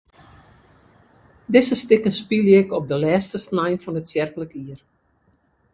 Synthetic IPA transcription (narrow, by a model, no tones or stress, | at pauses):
dɪsəstɪkənspilˠjɪkɔp̚dəlɛːstəsnɛjnfɔnətsjɛrkələkiər